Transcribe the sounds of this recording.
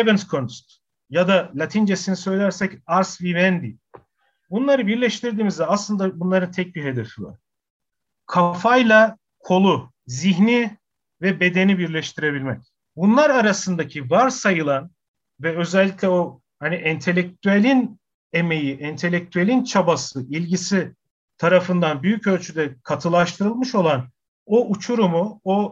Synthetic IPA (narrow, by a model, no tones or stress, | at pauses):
bɛnskʰonst̪ | jad̪alʲˠat̪ʰind͡ʒesinisø̞jlʲæɾsɛcaɾsvivɛnd̪i | bunlˠaɾɯbiɾlʲɛʃt̪ʰiɾd̪iːmizd̪ɛaslˠɯnd̪abunlˠaɾɯnt̪ʰɛc̚biɦe̞d̪efiva̰ɾ̥ | kʰafajlˠa | kʰo̞lˠu | ziɦni | vɛbe̞d̪e̞nibiɾlʲɛʃt̪ʰiɾe̞bilʲmɛc | bunlˠaɾaɾasɯnd̪acʰivaɾsajɯlˠan | vɛø̞zɛlʲːicʲlʲɛo̞ | haniʔɛnt̪ʰe̞lʲːɛc̚t̪ʰyælʲin | e̞me̞jiʔɛnt̪ʰe̞lʲːɛc̚t̪ʰyelʲint͡ʃʰabasɯilʲɟisi | t̪ʰaɾafɯnd̪anbyjycø̞lʲt͡ʃʰyd̪ɛkʰat̪ʰɯlˠaʃt̪ʰɯɾɯlˠmɯʃo̞lˠan | oʔut͡ʃʰuɾumuo